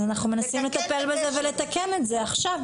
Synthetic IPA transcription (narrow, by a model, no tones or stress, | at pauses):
anaχnume̞nasimle̞t̪ape̞lbezeve̞le̞t̪ake̞metzeaχʃav